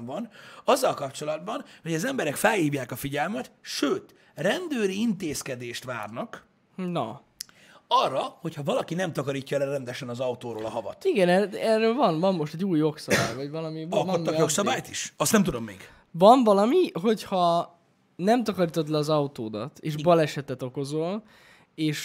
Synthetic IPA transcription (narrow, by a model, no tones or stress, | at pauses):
vɒnɒzːɒlkɒpt͡ʃo̞lɒd̪̚bɒnho̞ɟɒzɛmbɛɾɛkfɛlhiːvjaːkɒfiɟɛlmɛt̪ʃøːt̪ | rɛnd̪øːɾiint̪eːskɛd̪eːʃt̪ʋaːrnɒk | nɒ̰ | ɒrːɒho̞cʰhɒvɒlɒkinɛmt̪ɒkɒɾiːcːɒlɛɾɛnd̪ɛʃɛnɒzɒut̪oːɾo̰ːlɒɦɒvɒ̰t̪iɡɛnɛɛrːøːlvɒnvɒmːo̞ʃt̪ɛɟuːjːo̞ksɒba̰ːjvɒɟvɒlɒmiɒlot̪ːɒjo̞ksɒbaːjt̪iʃɒst̪nɛmt̪ud̪omːeːɡ | vɒnvɒlɒmiɦo̞chɒ | nɛmt̪ɒkɒɾiːt̪o̞t̪lɛɒzɒut̪oːd̪ɒ̰t̪ḛːʒbɒlɛʃɛt̪ɛt̪o̞ko̞zol | eːʃ